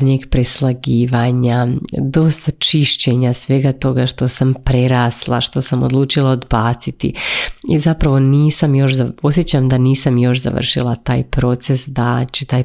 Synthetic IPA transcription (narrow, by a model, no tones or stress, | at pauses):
ɲeɡpɾeslˠaɡiːʋaɲad̪o̞st̪at͡ʃiʃt͡ɕe̞ɲasʋe̞ɡat̪o̞ɡaʃt̪o̞sampɾeɾaːslˠaʃt̪o̞samod̪lˠuːt͡ʃilˠaod̪baːt̪sit̪ḭizapɾaʋo̞niːsamjo̞ʃzao̞sjet͡ɕamd̪aniːsamjo̞ʃza̰ʋ̰r̩ʃilˠat̪aːjpɾo̞t̪se̞sd̪at͡ɕet̪aːj